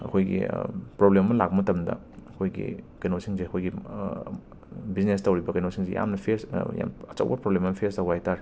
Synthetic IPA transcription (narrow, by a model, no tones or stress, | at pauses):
ɐ̰kʰojɡḭpɾoblemɐmɐlak̚bɐmɐtɐmdɐ̰ | ɐkʰojɡḭkɐjnosiŋzeɐkʰojɡi | biznestɐwɾibɐkɐjnosiŋzḛja̰mnɐpʰeɾsja̰mɐt͡ʃɐ̰wbɐpɾoblemɐmpʰeɾstɐwajtaɾi